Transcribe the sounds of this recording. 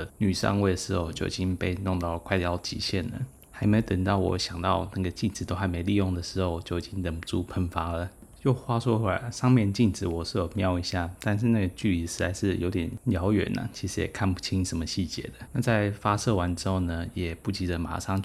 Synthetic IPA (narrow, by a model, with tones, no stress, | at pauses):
ny˨˩ʂɑ̰˥˧ŋwe˥˩ɪd̪ə˩ʂɻ̩˧˥xo˥˧ʊt͡ɕjo˥˩ʊi˨˩t͡ɕi˥ŋpe˥˧ɪnʊ˥˧ŋt̪ɑ˥˩ə˩kʰa˥˩ɪt̪jɑ˥ʊt͡ɕḭ˨˩ɕjɛ˥˩nlə̰˨˩ | xa˧˥ɪme˧˥jo˧t̪ə˨˩ŋt̪ɑ˥˩ʊwɔ̰˨˧˥ɕjɑ˨˩ŋt̪ɑ˥˧ʊna˥˩ɡə˩t͡ɕi˥˩nʈ͡ʂɻ̩˨˩o˥a˧˥ɪme˧˥ɪli˥˧jʊ˥˩ŋd̪ə˩ʂɻ̩˧˥xo˥˧ʊt͡ɕjo˥˩ʊi˨t͡ɕi˦˥ŋt̪ə˨˩ŋpu˧ʈ͡ʂu˥˩pʰə˥nfa˥lə˨jo˥˩ʊxwa˥swɔ˥a˨˩ʂɑ˥˧ŋmjɛ˥˧nt͡ɕi˥˩nʈ͡ʂɻ̩˨˩wɔ˨˩ʂɻ̩˥˩jo˨˩ʊmjɑ˥˧ʊi˧˥ɕja˥˩t̪a˥˧nʂ̬ɻ̩˥˧na˥˩ɡə˩t͡ɕy˥˩li˧ʂɻ̩˧˥t͡sa˧˥ɪʂɻ̩˥˩jo˧˥ʊt̪jɛ˨˩nljɑ˧˥ʊɥɛ̰˨˩nʔɐ̰˨t͡ɕʰi˧˥ʂɻ̩˧˥jɛ̰˨˩kʰa˥˩npu˥˩t͡ɕʰi˥ŋʂə˧˥nmə˧ɕi˥˩t͡ɕjɛ̰˧˥d̪ə̥˨˦na˥˧t͡sa˥˩ɪfa˥sɤ˥˩wa˧˦nʈ͡ʂɻ̩˥xo˥˩ʊnə˩jɛ˨˩pu˥˩t͡ɕi˧˥d̪ə˨ma̰˨˩ʂɑ˥˧ŋ